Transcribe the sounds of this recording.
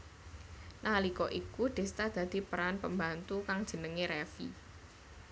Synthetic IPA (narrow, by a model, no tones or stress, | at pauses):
nalikɔʔikud̪̥e̤st̪ad̪̥ä̤d̪̥i̤pəɾanpəmbant̪ukaŋd̥ʒ̥ə̤nəŋeɾɛfḭ